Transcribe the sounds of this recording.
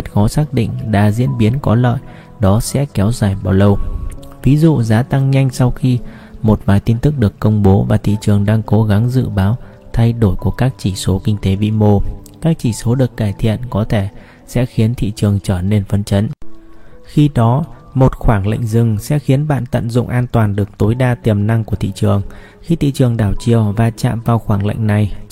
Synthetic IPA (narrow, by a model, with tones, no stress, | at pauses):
zə˦˥t̚xɔ˨˦saː˦˥k̚ɗḭ˧˨ŋ̟ɗaː˧˩zḭ˧˥ənɓi˨˦ənkɔ˨˦lə̰ː˧˨j | ɗɔ˨˦sɛ̰˧˥kɛ˨˦wzaː˨˩jɓaː˨˩wlə˧˩wvi˨˦zṵ˧˨zaː˨˦t̪a˧ŋɲa˧jŋ̟sa˧wxi˧ | mo˨˩t̚vaː˨˩jt̪i˧nt̪ɨ˦˥k̚ɗɨ˨˩əkːə˧wŋ͡mɓo˨˦vaː˨˩t̪ʰḭ˧˨t͡ɕɨ˨˩əŋɗaː˧ŋko˨˦ɣa˨˦ŋzɨ̰˧˨ɓaː˨˦w | t̪ʰa˧jɗo˧˩jku˧˩əkaː˦˥k̚t͡ɕi˧˩so˨˦kï˧ŋ̟t̪e˨˦vḭ˧˨mo˧kaː˦˥k̚t͡ɕi˧˩so˨˦ɗɨ˨˩ək̚kaː˧˩jt̪ʰḭ˧˨ənkɔ˨˦t̪ʰe˧˩ | sɛ̰˧˥xi˨˦ənt̪ʰḭ˧˨t͡ɕɨ˨˩əŋt͡ɕəː˧˩ne˧nfə˨˦nt͡ɕə˨˦n | xi˧ɗɔ˨˦ | mo˨˩t̚xwaː˧˩ŋlə̰˧˨jŋ̟zɨ˨˩ŋsɛ̰˧˥xi˨˦ənɓa̰ː˧˨nt̪ə̰˧˨nzʊ̰˧˨ŋ͡mʔaː˧nt̪waː˨˩nɗɨ˨˩ək̚t̪o˨˦jɗaː˧t̪i˨˩əmna˧ŋku˧˩ət̪ʰḭ˧˨t͡ɕɨ˨˩əŋ | xi˧t̪ʰḭ˧˨t͡ɕɨ˨˩əŋɗaː˧˩wt͡ɕi˧˩əwvaː˨˩t͡ɕa̰ː˧˨mvaː˨˩wxwaː˧˩ŋlə̰˧˨jŋ̟na˨˩j